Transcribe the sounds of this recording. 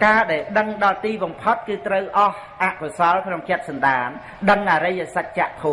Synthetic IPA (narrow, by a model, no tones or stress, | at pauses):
kaːɗaɛlɗəŋɗɑlt̪iːɓɑmpʰot̪̚kɨːt̪rəwʔɑh | ʔaʔkʰosɑlkʰnoŋt͡ɕɛ̆ət̪̚sɑnɗaːn | ɗəŋʔaːɾəjasac̪̚t͡ɕaʔt̪ʰoː